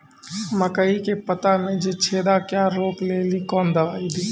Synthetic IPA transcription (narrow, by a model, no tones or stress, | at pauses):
məkəikepət̪amẽd͡ʒet͡ʃʰeːd̪akjaɾoːkleːlikɔːnd̪əʋaːid̪iː